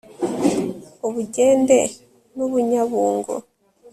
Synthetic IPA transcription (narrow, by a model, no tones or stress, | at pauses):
oβuɟeːnde̞̰ | nuβuɲaβuːŋɡo̰